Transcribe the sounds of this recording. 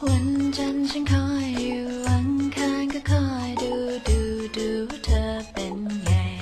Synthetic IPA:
wa˧˥nt͡ɕʰa˧nt͡ɕʰa˦˥nkʰɔː˧˥˩jːuː˨˩wa˧˦ŋkʰaː˧nkɔ˥˩kʰɔː˧˩jduː˧duː˧duː˧wa˦˥t̪ʰɤː˧pe˧nja˨˩j

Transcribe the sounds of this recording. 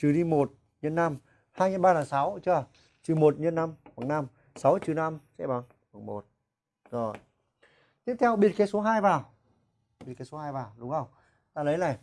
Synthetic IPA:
t͡ɕɨ˨˩ɗi˧mo˨˩t̚ | ɲə˧nːa˧m | haː˧jɲa˧ɓaː˧aː˨˧˩nsa˨˦wt͡ɕɨ˧ə | t͡ɕɨ˨˩mo˨˩t̚ɲə˧nːa˧mka˨˧˩ŋna˧m | sa˨˦wt͡ɕɨ˨˩na˧msɛ̰˧˥ɓa˨˦n | xa˨˧˩ŋmo˨˩t̚ | zo˨˩ | t̪i˦˥əp̚t̪ʰɛ˧wɓi˧˩ət̚ke˨˦so˨˦ɦaː˧jvaː˨˩w | ɓi˧˩t̚ka˨˦so˨˦ɦaː˧jvaː˨˩wɗʊ˨˦ŋ͡mə˧˩wŋ͡m | t̪aː˧lə˨˦jlaː˧˩j

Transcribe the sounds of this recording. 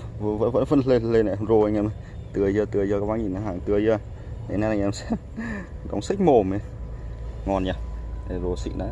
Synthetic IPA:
və̰˧˥və̰˧˥nvə̰˧˥nle˧n˧le˧na˧˩zo˧˩ə˨˧˩ŋʔɛ˧˦m˧˨ | t̪ɨ˨˩əjzəː˧˩t̪ɨ˨əjzəː˧kɔː˧˦˥wɓaː˧˦ɲi˧˩na˨˧˩ɦaː˨˩ŋt̪ɨ˨˩əjəː˧˩ | e˨˦na˧˩˨ŋ˨ʔɛ˧msɛ˧˥ | ɗo̰˨˦wŋ͡msi˦˥k̚mo˨˩me˨˧˦ | ŋɔ˨˩nɲa˧˩e˨˩zo˨˩sḭ˧˨na̰ː˧˦

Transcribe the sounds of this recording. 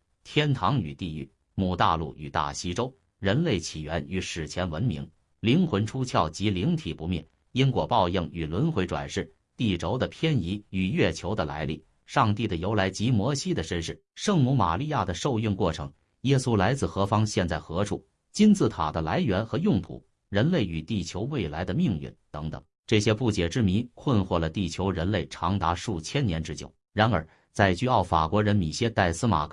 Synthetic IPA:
t̪ʰjɛ˥nt̪ʰɑ˧˥ŋy̰˨˩t̪i˥˧y̰˥˩ | mu˨˩t̪a̰˥˧lṵ˥˩y̰˨˩t̪a̰˥˩ɕi˥ʈ͡ʂo˥ʊ | ɻə˧˥nle˥˩ɪt͡ɕʰi˨˩ɥɛ˧˥ny˧˥ʂɻ̩˨˩t͡ɕʰjɛ˧˥nwə˧˥nmḭ˧˥ŋ | li˧˥ŋxwə˧˥nʈ͡ʂʰu˥t͡ɕʰjɑ˥˩ʊt͡ɕi˧˥li˧˥ŋt̪ʰi˨˩pu˧˥mjɛ̰˥˩n | i˥nkwɔ˨˩pɑ˥˧ʊji˥˩ŋy˨˩lwə˧˥nxwe˧˥ɪʈ͡ʂwa̰˨˩nʂɻ̩˥˧ | t̪i˥˩ʈ͡ʂo˧˥ʊd̪ə˧pʰjɛ˥ni˧˥y˨˩ɥɛ˥˩t͡ɕʰjo˧˥ʊd̪ə˧la̰˧˥ɪlḭ˥˩ | ʂɑ˥˧ŋt̪i˥˩d̪ə˩jo˧˥ʊla˧˥ɪt͡ɕi˧˥mwɔ˧˥ɕi˥d̪ə˨ʂə˥nʂɻ̩˥˩ʂɤ˥˧˩ŋmu˧˥ma̰˨˩li˥˧ja˥˩d̪ə˩ʂo˥˧ʊy˥˧nkwɔ˥˩ʈ͡ʂʰɤ̰˧˥ŋ | jɛ˥su˥la˧˥ɪt͡sɹ̩˥˩xɤ˧˥fɑ˥ŋɕjɛ˥˧nt͡sa˥˩ɪxɤ˧˥ʈ͡ʂʰṵ˥˩ | t͡ɕi˥nt͡sɹ̩˥˩t̪ʰa̰˨˩d̪ə˦la˧˥ɪɥɛ˧˥nxɤ˧˥jʊ˥˩ŋt̪ʰṵ˨˩˦ | ɻə˧˥nle˥˩ɪy˨˩t̪i˥˩t͡ɕʰjo˧˥ʊwe˥˩ɪla˧˥ɪd̪ə˧mi˥˧ŋy̰˥˩nt̪ɤ˧˥ŋt̪ɤ̰˨˩ŋ | ʈ͡ʂɤ˥˩ɕjɛ˥pu˥˩t͡ɕjɛ˨˩ʈ͡ʂɻ̩˥mi˧˥nkʰwə˥˧nxwɔ˥˩lə˩t̪i˥˩t͡ɕʰjo˧˥ʊɻə˧˥nle˥˩ɪʈ͡ʂʰɑ˧˥ŋt̪a˧˥ʂu˥˩t͡ɕʰjɛ˥nnjɛ˧˥nʈ͡ʂɻ̩˥t͡ɕjo̰˨˩˦ʊ | ɻa˧˥nə˞˨˧˥ | t͡sa˥˧ɪɕy˥ɑ˥˩ʊfa̰˨˩kwɔ˧˥ɻə˧˥nmi˨˩ɕjɛ˥t̪a˥˩ɪsɹ̩˥ma̰˨˩kʰ

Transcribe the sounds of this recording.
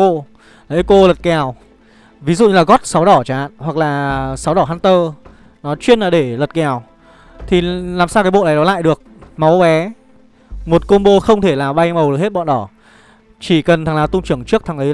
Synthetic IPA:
o̰˧˨ | lə˨˦ko˧lə˨˩t̚kɛ˨˩˨w | vi˨˦zṵ˧˨ɲɨ˧laː˨˩ɣɔ˦˥t̚sa˨˦wɗɔ˧˩t͡ɕa˨ha̰ː˧˨nhwa˨˩k̚laː˨˩sa˨˦wɗɔ˧˩ɦaː˧nt̪əː˧ | nɔ˨˦t͡ɕwi˧ənlaː˨˩ɗe˧˩lə˨˩t̚kɛ˨˩˨w | t̪ʰi˨˩laː˨˩msaː˧wkaː˨˦jɓo̰˧˨a˨˦jɗɔ˨˦la̰ː˧˨jɗɨ˨˩ək̚ma˨˦wɓɛ˨˦ | mo˨˩t̚ko˧nɓo˧xə˧wŋ͡mt̪ʰe˧˩laː˨˩ɓa˧jmə˨˩wɗk̚he˦˥t̚ɓɔ̰˧˨nɗɔ˧˩ | t͡ɕi˧˩kə˨˩nt̪ʰa˨˩ŋlaː˨˩wt̪ʊ˧ŋ͡mt͡ɕɨ˧˩əŋt͡ɕɨ˦˥ək̚t̪ʰa˨˩ŋlə˨˦

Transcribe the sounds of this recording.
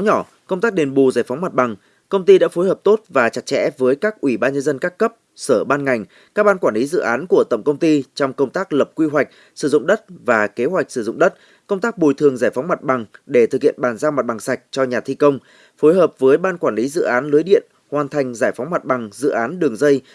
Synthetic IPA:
wɲɔ˧˩ | kə˧wŋ͡mt̪aː˦˥k̚ɗe˨˩nɓu˨˩zaː˧˩jfɔ˨˦wŋ͡mma˨˩t̚ɓa˨˩ŋ | kə˧wŋ͡mt̪i˧ɗa̰ː˧˥fo˨˦jhəː˨˩p̚t̪o˦˥t̚vaː˨˩t͡ɕa˨˩t̚t͡ɕɛ̰˧˥vəː˨˦jkaː˦˥k̚ʔwi˧˩ɓaː˧nɲə˧nzə˧nkaː˦˥kːə˦˥p̚səː˧˩ɓaː˧nŋa˨˩jŋ̟ | kaː˦˥k̚ɓaː˧nkwaː˧˩li˨˦zɨ̰˧˨ʔaː˨˦nku˧˩ət̪ə̰˧˨ŋ͡mkə˧wŋ͡mt̪i˧t͡ɕɔ˧wŋ͡mkə˧wŋ͡mt̪aː˦˥k̚lə˨˩p̚kwi˧wa˨˩jk̟̚ | sɨ˧˩zʊ̰˧˨ŋ͡mɗə˦˥t̚vaː˨˩ke˨˦ɦwa˨˩jk̚sɨ˧˩zʊ̰˧˨ŋ͡mɗə˦˥t̚ | kə˧wŋ͡mt̪aː˦˥k̚ɓo˨˩jt̪ʰɨ˨˩əŋzaː˧˩jfa˨˦wŋ͡mma˨˩t̚ɓa˨˩ŋɗe˧˩t̪ʰɨ˨˩k̚hḭ˧˨ənɓaː˨˩nzaː˧wma˨˩t̚ɓa˨˩ŋsa˨˩jk̟̚t͡ɕɔ˧ɲaː˨˩t̪ʰi˧kə˧wŋ͡m | fo˨˦jɦəː˨˩p̚vəː˨˦jɓaː˧nkwaː˧˩nli˨˦zɨ̰˧˨ʔaː˨˦nlɨ˨˦əjɗḭ˧˨ən | hwaː˨˩nt̪ʰa˨˧˩jŋ̟zaː˧˩jfɔ˨˦wŋ͡mma˨˩t̚ɓa˨˩ŋzɨ̰˧˨ʔaː˨˦nɗɨ˨˩əŋzə˧j

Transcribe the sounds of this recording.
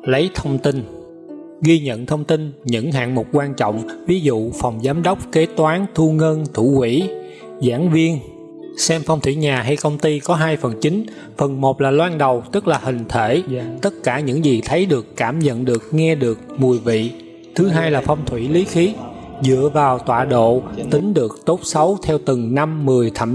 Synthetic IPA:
lə˨˦jt̪ʰə˧wŋ͡mt̪i˧n | ɣi˧ɲə̰˧˨nt̪ʰə˧wŋ͡mt̪i˧nɲɨ̰˧˥ŋɦa̰ː˧˨nmo˨˩t̚kwaː˧nt͡ɕɔ̰˧˨wŋ͡mvi˨˦zṵ˧˨fɔ˨˩wŋ͡mzaː˨˦mɗə˦˥wk͡p̚ke˨˦t̪waː˨˦nt̪ʰu˧ŋə˧nt̪ʰu˧˩hwḭ˧˩ | zaː˧˥nvi˧ən | sɛ˧mfwŋ͡mt̪ʰwi˧˩ɲaː˨˩ɦa˧jkə˧wŋ͡mt̪i˧kɔ˨˦ɦaː˧jfə˨˩nt͡ɕï˨˦ŋ | fə˨˩nmo˨˩t̚laː˨˩lwaː˧nɗə˨˩wt̪ɨ˦˥k̚laː˨˩hï˨˩ŋ̟t̪ʰe˧˩t̪ə˦˥t̚kaː˧˩ɲɨ̰˧˥ŋzi˨˩t̪ʰə˨˦jɗɨ˨˩əkːaː˧˩mzə̰˧˨nɗɨ˨˩ək̚ŋɛ˧ɗɨ˨˩ək̚mu˨˩əjvḭ˧˨ | t̪ʰɨ˨˦ɦaː˧jlaː˨˩fɔ˧wŋ͡mt̪ʰwḭ˧˩li˨˦xi˨˦ | zɨ̰˧˨əvaː˨˩wt̪wa̰ː˧˨ɗo̰˧˨t̪ï˨˦ŋ̟ɗɨ˨˩ək̚t̪o˦˥tp̚sə˨˦wt̪ʰɛ˧wt̪ɨ˨˩ŋna˧mːɨ˨˩əjt̪ʰə˧˩

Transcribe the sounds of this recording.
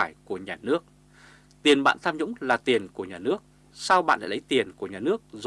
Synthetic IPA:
aː˧˩jku˧˩əɲaː˨˩nɨ˦˥ək̚ | t̪i˨˩ənɓa̰ː˧˨nt̪ʰaː˧mɲʊ̰˧˥ŋ͡mlaː˨˩t̪i˨˩ənku˧˩əɲaː˨˩nɨ˦˥ək̚ | sa˧wɓa̰ː˧˨nl̰ːlə˨˦jt̪i˨˩ənku˧˩əɲaː˨˩nɨ˦˥ək̚z

